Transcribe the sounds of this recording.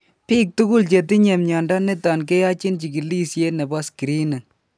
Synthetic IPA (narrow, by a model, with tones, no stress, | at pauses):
piː˦k̚tu˦ɡu˦lt͡ʃe˨ti˦ɲe˨mɲɔ˨ndɔ˦ne˦ta˨nke˦ja˦t͡ʃi˦nt͡ʃi˨ki˨li˦sje˦ne˨bɔ˦ski˨ɾi˦nɛ˨n